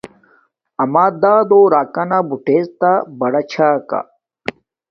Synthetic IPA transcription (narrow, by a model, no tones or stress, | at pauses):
ɐmaːd̪aːd̪oɾaːkɐnabuʈezt̪abɐɽɐt͡ɕʰaːka̰